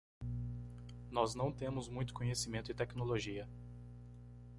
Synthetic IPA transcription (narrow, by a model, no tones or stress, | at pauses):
nɔznɐ̃w̃t̪ẽmʊzmũj̃t̪ʊ̥kõɲesimẽnt̪ʊɪt̪ɛknoloʒiɐ